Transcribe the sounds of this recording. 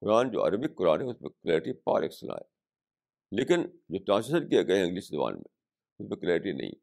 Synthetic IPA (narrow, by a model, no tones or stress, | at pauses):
kʊɾaːnd͡ʒo̰ːɐ̰ɾəbɪkːʊɾaːnɦɛʊsmẽklɛːɾɪʈipa̰ːɾḛksɐla̰ːɦɛ | leːkɪnd͡ʒoːtãːsesəɾkieɡɐeɪ̃ŋɡliːʃzɐʋa̰ːnmḛ̃ | ʊsmẽklɛːɾɪʈinɐ̰ɦḭ̃